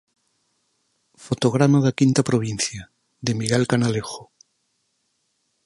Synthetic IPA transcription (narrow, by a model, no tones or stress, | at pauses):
fot̪oɣ̞ɾamaðakint̪apɾoβ̞in̟θja | ðemiɣelkanalexo